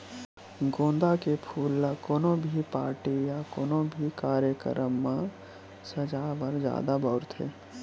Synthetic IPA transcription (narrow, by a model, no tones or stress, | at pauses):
ɡõːnd̪akepʰuːlːakoːnõbʱipaːɾʈijakoːnõbʱikaːɾjəkə̰ɾəmːã | səd͡ʒaːʋəɾd͡ʒja̰ːd̪abɔːɾt̪ʰɦḛː